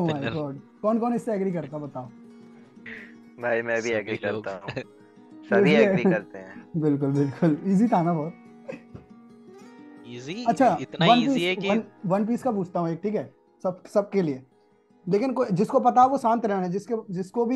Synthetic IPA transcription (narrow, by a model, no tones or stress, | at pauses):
maːɪɡɔːɖkɔːnkɔːnɪsːeɛːɡɾikɐɾt̪aɦbɐt̪aːo | bʱaːimɛ̃ːbʱiɛːɡɾikɐɾt̪a̰ɦũ | sɐeiiɛɾiɐɾt̪eɦɛ̃ːbɪlk̬ʊlbɪlkʊliːzit̪ʰaːnapɔːɾ | ɐtːʃʰaːʋɐnpiːsʋɐnʋɐnp̬iːskap̬uːt͡ʃʰt̪aɦũeːk̚ʈʰiːkɦɛː | sɐbsɐb̚kelie | leːkɪnkod͡ʒɪskopɐt̪aʋosãːnt̪ɾɛɦnaɛd͡ʒɪsked͡ʒɪskobʱi